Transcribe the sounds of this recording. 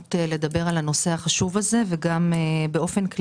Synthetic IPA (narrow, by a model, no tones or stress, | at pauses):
tele̞d̪abe̞ʁalhano̞se̞haχaʃuvaze̞veɡambeʔo̞fe̞nkl